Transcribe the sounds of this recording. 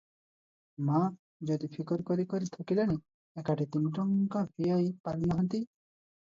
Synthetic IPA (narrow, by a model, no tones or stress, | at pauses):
ma | d͡ʒod̪ipʰikɔɾkɔɾikɔɾit̪ʰɔkilani | ekaʈit̪inʈɔŋkapʰijajpaɾinɔɦɔnt̪i